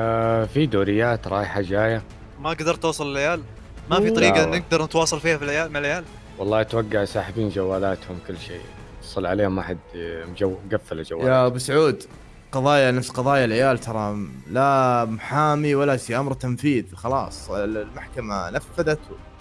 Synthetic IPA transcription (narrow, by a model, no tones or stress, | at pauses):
fid̪uːɾɪjːaːt̪ɾˤɑːjħad͡ʒaːja | maɡd̪ɑɾˤt̪wɑːsˤɑlɪlːajaːl | mafiˤɑɾiːɡɑʔnːɪɡ̚d̪ɑɾˤnɪt̪wɑːsˤɑlfiːhafilʕajaːlmalːjaːl | wɑlˤːɑːʔat̪waɡːaʕsaːħɪbiːnd͡ʒawːaːlaːt̪hʊmkʊlːʃḛː | sˤɨlːʕaleːhʊmʔaħad̪md͡ʒawːɡafːalad͡ʒawːjabɪsʕuːd̪ | qɑðˤɑːjanafsqɑðˤɑːjalʕɪjaːlt̪ʰɑɾˤɑlamʊħaːmiwalasamɾˤt̪amfiːðxɑlɑ̰ːsˤɪllmaħkamanafːaðat̪w